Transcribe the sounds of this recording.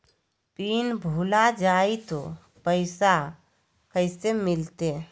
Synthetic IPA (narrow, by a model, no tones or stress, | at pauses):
piːnbʱuːlad͡ʒaːit̪o | pəɪsa | kəɪsemɪlt̪e